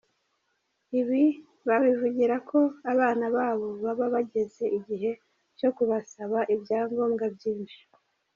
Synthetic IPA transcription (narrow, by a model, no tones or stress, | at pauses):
iβi | βaβivuɟiɾakʰo̞aβaːnaβaːβo̞βaβaβaɟe̞ze̞ʔiɟiɦe̞ | co̞kuβasaβaʔibjaːŋɡo̞ːmɡabɟiːnʃi̥